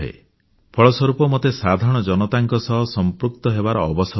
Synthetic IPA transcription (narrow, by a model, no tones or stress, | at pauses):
ɦḛ | pʰɔɭɔsɔɾupɔmot̪esad̪ʱaɾɔɽ̃ɔd͡ʒɔnɔt̪aŋkɔsɔɦɔsɔmpɾuk̚t̪ɔɦebaɾɔːbɔs